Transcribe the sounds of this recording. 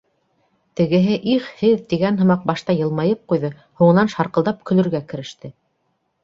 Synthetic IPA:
t̪ɘ̆ɡɘ̆ɦɘʔiχhɘðt̪iɡænɦɤ̆mɑq̚bɑʃt̪ɑjɤ̆lˠmɑjɤp̚qujðɤ | huɴɤ̆nɑnʃɑɾqɤ̆lˠd̪ɑp̚kɵ̆lɵ̆ɾɡækɘ̆ɾɘ̆ʃt̪ɘ

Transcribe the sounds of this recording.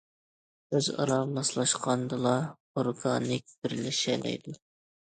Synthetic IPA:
øzɑ̰ɾɑmɑslˠɑʃqʰɑnd̪ɨlˠɑ | oɾɡɑnɪk̚ʲbɪɾlɪʃɛlɛ̰jd̪u

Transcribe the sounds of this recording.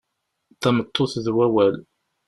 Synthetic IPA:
θæmət̪ˤːoθðwæwæl

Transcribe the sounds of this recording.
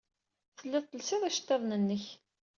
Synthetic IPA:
θəlːɪðˤt̪ːəlsɪðˤæʃə̥t̪ːɑðˤnənːəç

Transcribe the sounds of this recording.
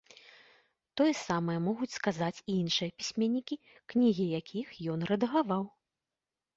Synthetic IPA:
t̪ɔjɛsamɐjɐmɔɣut͡sʲskazat͡sʲiinʂɨjɐpʲi̥sʲmʲɛnʲːikʲi | knʲiɣʲijakʲixjɔnrɐd̪ɐɣavaw

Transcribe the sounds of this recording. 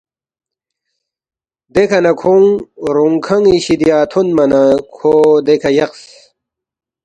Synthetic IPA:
d̪ekʰɐnɐkʰoŋɾuŋkʰɐŋiɕid̪ijaːt̪ʰonmɐnakʰod̪ekʰɐjɐqs

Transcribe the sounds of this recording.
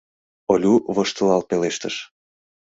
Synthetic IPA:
olʲuβɤʃt̪əlɑlpeleʃt̪əʃ

